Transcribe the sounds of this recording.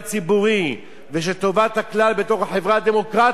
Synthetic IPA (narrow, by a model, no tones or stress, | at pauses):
t͡sibuʁi | veʃ̬et̪o̞vat̪aklalbet̪o̞χhaħevʁad̪e̞mo̞kʁa